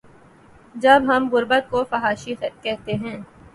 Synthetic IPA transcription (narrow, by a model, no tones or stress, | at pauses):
d͡ʒɐbɦɐmɣʊɾbət̪̚kofɐɦaːʃikɛɦt̪eɦɛ̃ː